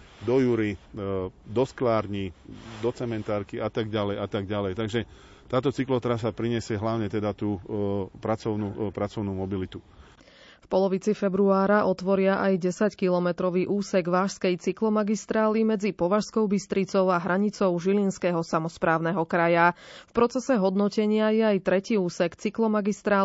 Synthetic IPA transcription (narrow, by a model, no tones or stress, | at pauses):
d̪ɔjuɾi | d̪ɔsklaːɾɲid̪ɔt͡sɛmɛnt̪aːɾkiat̪aɡ̚ɟalɛjat̪aɡɟalɛjt̪aɡʒɛ | t̪aːt̪ɔt͡siklɔt̪ɾas̬apɾiɲɛsɪɛɦlaʊɲɛt̪ɛd̪at̪uːpɾat͡sɔʊnuːpɾat͡sɔʊnumɔbilit̪u | fpɔlɔʋit͡sifɛbɾuaːɾaʔɔt̪ʋɔɾɪaʔajɟɛsackilɔmɛt̪ɾɔʋiːʔuːsɛɡʋaːʃskɛjt͡siklɔmaɡist̪ɾaːlimɛd͡zipɔʋaʃskɔʊbist̪ɾit͡sɔʊaɦɾaɲit͡sɔʊʒilinskɛːɦɔsamɔspɾaːʊnɛɦɔkɾajafpɾɔt͡sɛsɛɦɔd̪nɔcɛɲɪajɛajt̪ɾɛciːuːsɛkt͡siklɔmaɡist̪ɾaː